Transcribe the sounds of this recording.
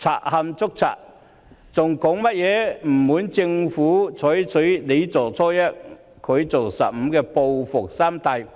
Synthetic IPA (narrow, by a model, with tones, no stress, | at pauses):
t͡sʰa̰ː˨˩t̚hɐ˧mt͡sʊ˥k̚t͡sʰa̰ː˨t̚ | t͡sʊ˨ŋkɔ˨˥ŋmɐ˥t̚jɛː˨˧m̩ː˨˩uː˨˥nt͡sɪ˧ŋfuː˨˥t͡sʰɔː˨˥jt͡sʰɵ˨˥ɥle˨˧jt͡sɔː˨˩t͡sʰɔː˥jɐ˥t̚ | kʰɵ˨˧ɥt͡so˨wsɐ̰˨p̚m̩˨˧˥kɛː˧po˧wfʊ˨k̚saː˥mt̪ʰɐ˧j